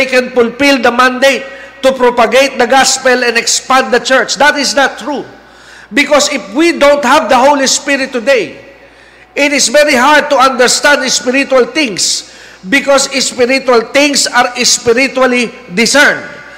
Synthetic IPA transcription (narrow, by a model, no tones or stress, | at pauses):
jkɛ̃nfʊlpɪld̪ɐmãnd̪ejt̪ːʊpɾopɐɡejt̪̚d̪ɐɡaspɛlɛ̃nɛkspãnd̪d̪ɐt͡ʃɛɹt͡ʃd̪at̪ɪsnat̪ːɹu | bɪkɔsɪfwid̪õwnt̪̚havd̪ɐɦowlispɪɾɪt̪ːʊd̪ej | ʔɪt̪ɪsvɛɹiɦaɹd̪̚t̪ʊãnd̪ɛɹst̪ãnd̪ɪspɪɾit̪ualt̪ɪ̃ŋs | bɪkɔsɪspɪɾit̪ualt̪ɪ̃ŋsaɾɪspɪɾɪtuali | d̪ɪsɛɹnd̪